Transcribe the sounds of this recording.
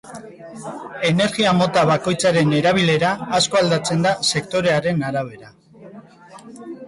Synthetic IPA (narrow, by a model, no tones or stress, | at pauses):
e̞ne̞ɾɣiamo̞t̪aβako̞jt͡saɾe̞ne̞ɾaβ̞ile̞ɾaːsko̞ald̪at͡se̞nd̪ase̞kt̪o̞ɾe̞aɾe̞naɾaβ̞e̞ɾa